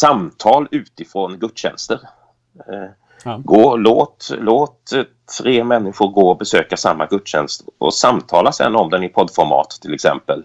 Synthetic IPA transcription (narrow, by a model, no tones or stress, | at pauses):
samt̪ʰɑːlʉ̟ːt̪ɪfɾoːnɡɵt̪ːɕɛ̰nst̪əɾ | ɡoːloːt̪loːt̪t̪ʰɾeːmɛnːɪɧʊɾɡoːbɛsøːkasamːaɡɵt̪ːɕɛ̰nst̪ɔ̰samt̪ʰɑːlasɛ̰nːɔmd̪ɛnɪpʰɔd̪ːfɔɾmɑ̰ːt̪ʰːɪlɛksɛ̰mpəl